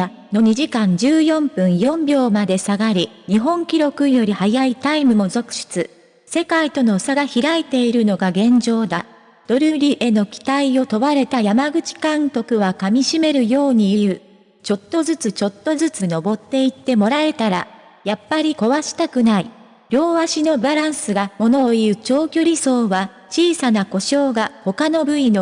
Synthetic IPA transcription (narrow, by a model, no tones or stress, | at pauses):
a | no̞ɲ̟iʑikãɲ̟d͡ʑɨːjõ̞mpɯ̟̃ɰ̃jõ̞mbʲjo̞ːmad̪e̞saɡaɾʲiɲ̟iɦõ̞ŋkʲiɾo̞kɯ̟jo̞ɾʲihajait̪aimɯ̟mo̞zo̞kɯ̟̥ɕi̥t͡sɨ | se̞kait̪o̞no̞saɡaçiɾait̪e̞iɾɯ̟no̞ɡaɡẽ̞ɲ̟d͡ʑo̞ːd̪a | d̪̥o̞ɾɯ̟ɾʲiʔe̞no̞kʲi̥t̪aio̞t̪o̞βaɾe̞t̪ajamaɡɯ̟t͡ɕi̥kãnt̪o̞kɯ̟βakamʲiɕime̞ɾɯ̟jo̞ːɲ̟iiɯ̟ː | t͡ɕo̞t̪ːo̞zɨt͡sɨt͡ɕo̞t̪ːo̞zɨt͡sɨno̞bo̞t̪ːe̞it̪ːe̞mo̞ɾae̞t̪aɾa | japːaɾʲiko̞βaɕi̥t̪akɯ̟nai | ɾʲo̞ːβaɕino̞baɾãɰ̃sɨɡamo̞no̞ːiɯɯ̟t͡ɕo̞ːkʲoɾʲiso̞ːβa | t͡ɕiːsanako̞ɕo̞ːɡaho̞kano̞bɯ̟ino̞